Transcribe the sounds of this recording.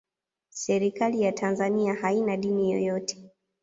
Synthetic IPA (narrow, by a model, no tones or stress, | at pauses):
sɛɾikalijatʰanzaniahainaɗinijɔ̰jɔtʰɛ̥